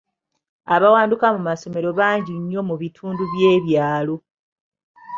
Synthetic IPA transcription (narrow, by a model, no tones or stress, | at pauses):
aβawaːndukamumaso̞me̞ɾo̞βaːɲɟiɲːo̞muβitʰuːnduβjeːβjaːlo̞